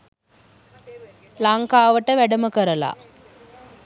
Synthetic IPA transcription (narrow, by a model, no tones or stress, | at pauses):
laŋkaːʋəʈəʋæɖəməkəɾəla̰